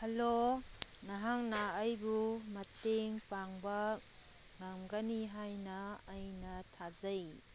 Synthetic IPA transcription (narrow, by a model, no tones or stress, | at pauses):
hɐlonɐɦaŋnɐːjbumɐteŋpaŋbɐ | ŋamɡɐniɦajnɐːjnɐtʰazɐj